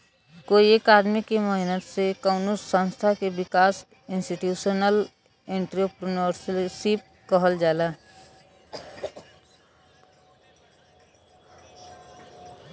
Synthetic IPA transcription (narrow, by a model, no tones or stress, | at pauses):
koːieːkaːd̪mikeməɦnət̪sekəʊnʊsːə̃nst̪ʰakebɪkaːs | ɪ̃nsʈiʈjuːʃənəl | ẽɳʈɾopɾɪnəɾssip̚kəɦəld͡ʒaːlaː